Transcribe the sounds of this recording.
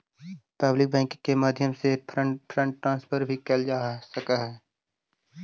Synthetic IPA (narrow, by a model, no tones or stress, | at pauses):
pɐblɪk̚bɛ̃ːŋkkːemaːd̪ʱjəmsepʰɾəpʰɾə̃ɳʈʈːɾãːnspʰəɾbʱikeld͡ʒaːsəkaɦɛː